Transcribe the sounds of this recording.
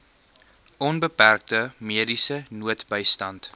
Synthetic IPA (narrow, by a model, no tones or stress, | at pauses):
ʔɔnbəpærk̚təmiədisənuətbəjstɐnt